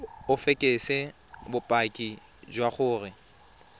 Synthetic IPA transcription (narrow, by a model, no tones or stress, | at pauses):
ʊfekʼesɛ | bʊpʼakʼi | d͡ʒwaχʊːrɪ